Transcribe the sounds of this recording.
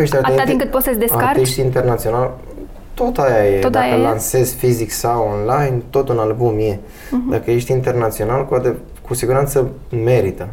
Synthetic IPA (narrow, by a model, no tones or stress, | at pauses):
eʃt̪ɾataeaĩŋkɨt̪pot̪səsʲd̪esakatɾiʃt̪iint̪e̞rnat̪sio̞nal | t̪o̞t̪ajajed̪ajkəlanse̞zʲfiziksawonlajnt̪o̞t̪unalbumje̞ | d̪akəjeʃt̪int̪e̞rnat̪sio̞nalkuat̪e | kusiɡuɾant̪səme̞ɾit̪ə